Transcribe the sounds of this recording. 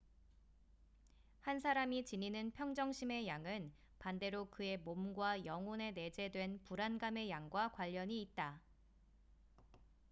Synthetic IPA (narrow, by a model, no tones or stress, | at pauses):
hansʰaɾamit͡ɕiɲinɯnpʰjʌŋd͡ʑʌŋɕʰime̞jaŋɯn | pande̞ɾokɯe̞momɡwajʌŋone̞ne̞d͡ʑe̞dwe̞npuɾanɡame̞jaŋɡwakwaʎːʌɲiːt̚t͈a